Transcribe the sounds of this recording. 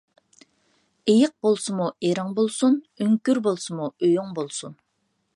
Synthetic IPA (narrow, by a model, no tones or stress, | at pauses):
ejəq̚bolˠsumueɾɑŋbolˠsun | yŋkʲyɾbolˠsumuøjoŋbolˠsun